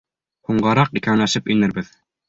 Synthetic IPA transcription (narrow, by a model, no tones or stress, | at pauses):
huɴɢɑɾɑqikænæʃɘpɵ̆jnɘ̆ɾbɘð